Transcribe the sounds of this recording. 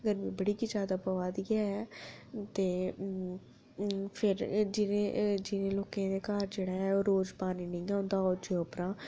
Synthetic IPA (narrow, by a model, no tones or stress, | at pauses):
əɡəɾmĩːbəɽiːkid͡ʒaːd̪apəʋaːd̪iːɡaːɦɛːt̪eː | pʰɪɾd͡ʒɪnẽːd͡ʒɪnẽːloːkẽːd̪eːkaːɾd͡ʒeːɽaːɦɛːoːɾoːd͡ʒpaːniːnĩːɛːʊ̃nd̪aːod͡ʒeoːpɾãː